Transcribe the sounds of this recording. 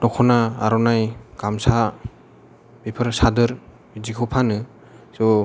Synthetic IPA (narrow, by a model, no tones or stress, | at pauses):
dɔkʰɔnaa̰ɾɔnajɡ̥amsa | b̥ipʰɯɾsadɯɾ | bizikʰɯwpʰanɯ | zɔ